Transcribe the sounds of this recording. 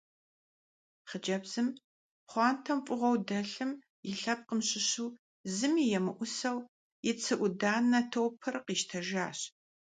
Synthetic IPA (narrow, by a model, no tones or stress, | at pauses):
χəd͡ʒɐbz̥ɨm | χʷɑːntʰɐmpʷʼʊʁʷɔwdɐɬɨm | jɪɬɐp̚qəmɕʼɪɕuː | zɨmiːjɛmɨʔʷʊsɐw | jɪt͡sʰɨʔʷʊdaːnːɐtʰoːpʰɨrqiːʃtʰɐʒaːɕ